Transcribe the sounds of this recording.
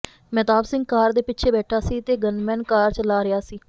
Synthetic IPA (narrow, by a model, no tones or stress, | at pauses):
mɛːt̪aːbsɪ̃ŋɡ̚kaːɾd̪eːpɪtːʃʰeːbɛːʈʰaːsiːt̪eːɡənmɛ̃ːnkaːɾt͡ʃəlaːɾɪjaːsiː